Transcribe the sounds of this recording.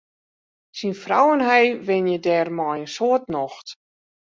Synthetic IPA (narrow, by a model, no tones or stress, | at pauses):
sinfrawənɦɛjʋɪnjədɛrmɔjənsoətnɔxt